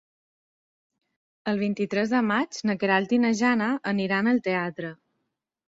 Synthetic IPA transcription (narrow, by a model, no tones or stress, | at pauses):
əlˠβ̞int̪it̪ɾɛzðəmad͡ʒnəkeɾalt̪inəʒanaʔəniɾanəlˠt̪eat̪ɾə